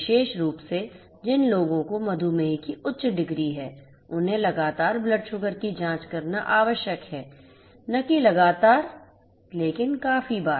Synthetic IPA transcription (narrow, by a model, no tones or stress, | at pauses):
ɪʃeːʃɾuːpse | d͡ʒɪnloːɡõkomɐd̪ʱumẽikiʔʊtːʃɖɪɡɾiɦɛː | ʊnɦẽlɐɡaːt̪aːɾblɐɖʃʊɡəɾkid͡ʒãːt͡ʃkɐɾnaʔaːʋəʃjəkɦɛː | nɐkilɐɡaːt̪aːɾ | leːkɪnkaːfibaː